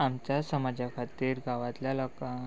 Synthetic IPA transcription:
amt͡ɕjasəmad͡ʑakʰat̪iːɾɡaʋat̪ljalɔka

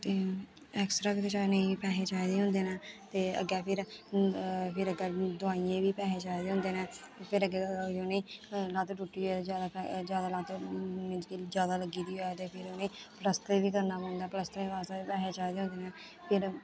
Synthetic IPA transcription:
t̪eː | ɛːksɾaːkət̪et͡ʃaːneĩpɛːɦeːt͡ʃaːid̪eːɦʊ̃nd̪eːnãːt̪eːə̰ɡɛːpʰɪɾ | pʰɪɾəɡːd̪ʊaːijẽːʋiːpɛːɦeːt͡ʃaːed̪eːɦʊ̃nd̪eːnãː | pʰɪɾəɡed͡ʒoːneːlãːt̪oʈuːʈːiːɛd͡ʒaːd̪apːd͡ʒjaːd̪aːlãːt̪ːmɪ̃nd͡ʒkiːd͡ʒjaːd̪aːləɡiːd̪iːɦoːɛːt̪eːpʰɪɾonẽːpləst̪eːʋiːkəɾnaːpõːnd̪aːpləst̪ːẽːʋaːst̪ːpɛːɦeːt͡ʃaːid̪eːɦʊ̃ːnd̪eːnaː | pʰɪɾ

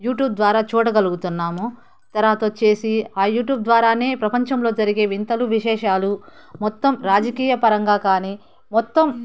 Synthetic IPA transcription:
juːʈjuːb̚d̪ʋaːɾaːt͡ʃuːʈɐɡɐluɡut̪unːaːmu | t̪ɐɾaːt̪oːt͡ʃe̞ːsiaːjuːʈjuːb̚d̪ʋaːɾaːne̞ːpɾɐpɐɲt͡ʃɐmlo̞ːd͡ʒɐɾiɡe̞ːʋint̪ɐluʋiʃɛːʃaːlu | mɔt̪ːɐmɾaːd͡ʒɐkiːjɐpɐɾɐŋɡaːkaːniː | mɔt̪ːɐm

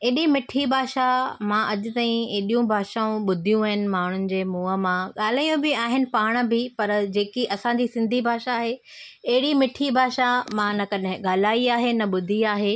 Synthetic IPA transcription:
eːɗimɪʈʰibʱaːʃamãʔɐʄʊ̆t̪aːĩeːɗijũbʱaːʃaːũɓʊd̪ʱijũaːɦɪnɪ̆maːɳ̤ʊnɪ̆d͡ʑeːmuːə̆mãɠaːl̤aːjũbɪaːɦɪnɪ̆paːɽ̃̆bɪpɐɾd͡ʑeːkiʔɐsãd͡ʑisɪ̃nd̪ʱibʱaːʃaːɦe | ɐɦɪɽimɪʈʰibʱaːʃamãnɐkɐɗɦɪ̃ɠaːlaːiaːɦenɐɓʊd̪ʱiaːɦeː

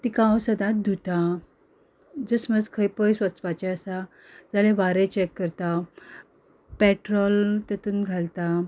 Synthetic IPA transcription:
t̪ikãwsəd̪at̪̚d̪ʱut̪a | d͡zəsməd͡zkʰəjpəjsʋət͡spat͡ɕɛəsa | d͡zaleʋaɾet͡ɕɛkːəɾt̪a | pɛʈɾɔlt̪ət̪uːnɡʱalt̪a

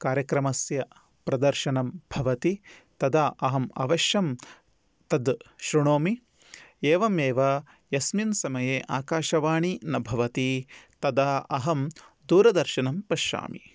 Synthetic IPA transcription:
kaːɾjɐkɾɐmɐsjɐ | pɾɐd̪ɐɾʃɐnɐmbʱɐʋɐt̪it̪ɐd̪aːʔɐɦɐmɐ̰ʋɐʃjɐm | t̪ɐd̪ʃɾuɳoːmi | eːʋɐmeːʋɐ | jɐsminsɐmɐjeːʔaːkaːʃɐʋaːɳinɐbʱɐʋɐt̪it̪ɐd̪aːʔɐɦɐm | d̪uːɾɐd̪ɐɾʃɐnɐmpɐʃa̰ːmḭ

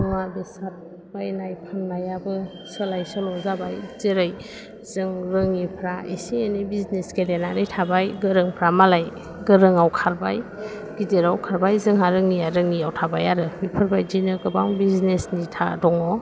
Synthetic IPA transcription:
uŋadɯsat̚ | bajnajpʰanmajabɯ | səlajsɔlɔzabajzeɾaj | z̥ɯŋɾɯŋipʰɾaḛsienibiznesɡelenaɾitʰabajɡɯɾɯŋpʰɾamalaj | ɡɯɾɯŋawkʰaɾba̰j | ɡ̥izeɾawkʰaɾbajzɯŋɦaɾɯŋijaɾɯŋiawtʰabajaɾɯbipʰɯɾbajdinɯɡɯbaŋbiznesnitʰa̰dɔŋɔ

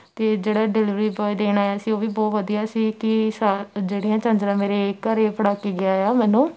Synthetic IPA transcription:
t̪eːd͡ʒeːɽaːɖɪlɪʋɾiːbɔːid̪eːnaːjaːsĩːoːʋiːbɔːt̪ʋəd̪ijaːsiːkɪsad͡ʒeːɽijãːt͡ʃə̃nd͡ʒ̪ɾãːmeːɾekəɾeːpʰəɽaːkiːɡɪaːjaːmɛːnũː

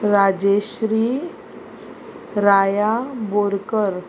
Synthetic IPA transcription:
ɾad͡ʑeɕɾiː | ɾajaboɾkəɾ

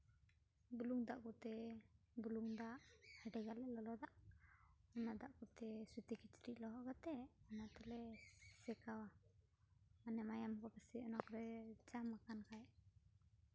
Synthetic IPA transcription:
buluŋd̪aʔkut̪ɛ | buluŋd̪aʔhɛɖɛɡalɛlɔlɔd̪aʔ | ɔnad̪aʔkut̪ɛsut̪ikit͡ʃɾiʔlɔɦɔʔɡat̪ɛɔnat̪ɛlɛsɛkawa | anɛmajamkɔbasiɔnɔkɾɛd͡ʒamakankajʔ

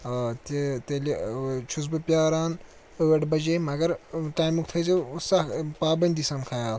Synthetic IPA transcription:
t̪et̪elit͡ʃʰus̬bɐpʲjaːɾaːn | əʋeʈbɐd͡ʒemɐɡɐɾʈaːjmukʰt̪ʰɐjt͡sesapaːbɐnʲd̪isaːnkʰajaːl

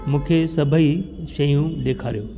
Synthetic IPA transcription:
mũːkʰesɐbʱəi | ʃɐjũɗeːkʰaːɾijoː

